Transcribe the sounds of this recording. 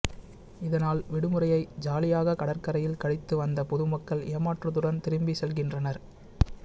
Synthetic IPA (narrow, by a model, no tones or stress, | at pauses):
ɪðɐnaːlʋɪɽɯmɯɾɐjɐɪd͡ʒaːlɪjaːɣɐkɐɽɐɾkɐɾɐjɪlkɐɽɪt̪ːɯʋɐnd̪ɐpɔðɯmɐkːɐɭeːmaːʈrɐðɯɽɐnt̪ɪɾɯmbisɛlɣɪndrɐnɐɾ